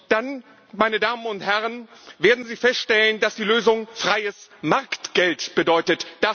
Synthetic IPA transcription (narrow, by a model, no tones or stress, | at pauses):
d̥an | maɪnədaːmənʊnthɛʁənveːɐdn̩ziːfɛstʃtɛləndasd̥iːløːzʊŋfʁ̥aɪəsmaɐktɡ̥ɛltb̥ədɔʏtətd̥a